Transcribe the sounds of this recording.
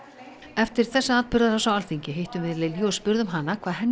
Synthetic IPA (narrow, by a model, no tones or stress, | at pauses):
ɛft̪ɪɾ̥θɛsːaaðpʏɾðaɾasawalθiɲcɪɦejht̪ʏmvɪðlɪljɔspʏɾðʏmɦanːakʰv̥aːðɦɛnː